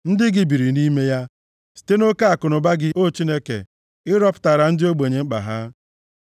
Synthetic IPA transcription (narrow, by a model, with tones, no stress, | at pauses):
n̩˦dɪ˦ɡɪ˦bi˨ɾi˨ni˦me˦ja˦ | si̥˨te˦no˦ka˦a˨kʊ˨nʊ˨ba˦ɡɪ˦ʔo˦t͡ʃi˦ne˦kḛ˨ | ɪ˦ɾɔ˦pʊ̥˨ta˨ɾa˨n̩˦dɪ˦o˦ɡ͡be˨ɲe˨ŋ͡m̩˦k͡pa̰˨ɦa˦